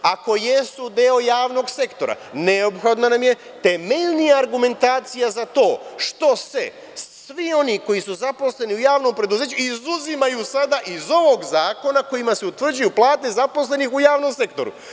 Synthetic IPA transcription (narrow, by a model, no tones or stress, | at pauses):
ako̞je̞sud̪eo̞jaːʋno̞ɡse̞kt̪o̞ɾa̰neopxod̪nanamje̞ | t̪eme̞ʎnijaːɾɡume̞nt̪aːt̪sijazat̪o̞ːʃt̪o̞se | sʋio̞niko̞jisuzapo̞sle̞niujaːʋno̞mpɾe̞d̪uze̞ːt͡ɕuizuzimajusad̪aʔizo̞ʋo̞ɡzaːko̞nako̞jimaseut̪ʋr̩d͡ʑujuplˠaːt̪e̞zapo̞sle̞nixujaːʋno̞mse̞kt̪o̞ɾṵ